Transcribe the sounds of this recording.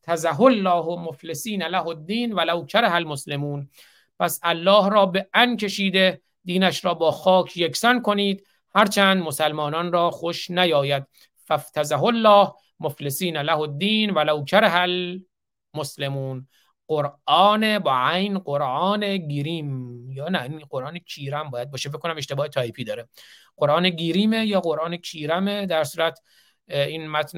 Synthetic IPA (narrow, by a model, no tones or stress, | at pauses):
t̪ʰæzæɦolːɒːɦmoflesiːnælæhod̪ːiːnvælawkʰaɾaɦælmosle̞muːn | pʰæsælːɒːhɾɒːbeʔænkʲʰe̞ʃiːd̪e̞ | d̪iːnæʃɾɒːbɒːxɒːkʰjekʰsænkʰoniːd̪ | hæɾt͡ʃʰænd̪mosælmɒːnɒːnrɒːxoʃnæjɒːjæd̪̥ | fæft̪ʰæzaɦolːɒːh | moflesiːnælæhod̪ːiːnvælowkʰæɾɦæl | moslemuːn | ɢ̥oɾʔɒːnebæʕæjnɢoɾʔɒːneɡeɾiːmjːnæinɢoɾʔɑːnecʰiːɾæmbɒːjæd̪̚bɒːʃefekːonæmeʃt̪ebɒːhet̪ʰɒːipʰiːd̪ɒːɾe | ɡ̥oɾʔɑːneɡiɾiːmejɒːɣoɾʔɑːnekʰiːɾæmed̪æɾsuːɾæt̪ʰ | iːnmæt̪n